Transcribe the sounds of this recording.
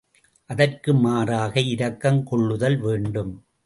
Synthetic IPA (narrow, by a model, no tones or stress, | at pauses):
ʔɐðɐrkɯmaːraːɣɐɪɾɐkːɐmkɔɭːɯðɐlʋeːɳɖɯm